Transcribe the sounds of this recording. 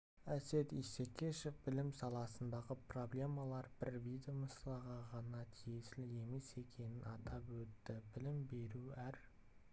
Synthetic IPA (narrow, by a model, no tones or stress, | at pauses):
æse̞t̪ise̞kʲʰe̞ʃe̞fbɪlɪmsɑlˠɑsənd̪ɑʁəpro̞blʲe̞mɑlˠɑɾb̥ɪɾvid̪eoməslˠɑʁɑʁɑnɑt̪ʰijesɪlɪe̞me̞se̞kʲʰe̞nɪnɑt̪ɑpwɵt̪ːɪbɪlɪmbe̞ɾuæɾ